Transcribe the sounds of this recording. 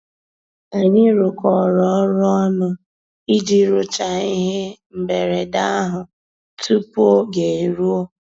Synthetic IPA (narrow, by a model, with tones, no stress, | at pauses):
a˨ɲi˦ɾʊ˨kɔ˨ɾɔ˨ɔ˦ɾʊ˦ɔ˦nʊ˦ | i˦d͡ʒi˦ɾʊ˨t͡ʃa˨i˦ɦe˦m̩˨be˨ɾe˨da˦a˦ɦʊ˨ | tu˦po˦ɡe˨e˨ɾu˦o˦